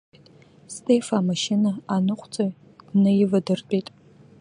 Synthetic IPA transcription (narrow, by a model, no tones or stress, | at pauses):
tʼ | stʰʼefamaʃɪnaanɨqʷʰʼt͡sʼoj | d̥nɨjɪvadɨrt͡pʷʼejtʼ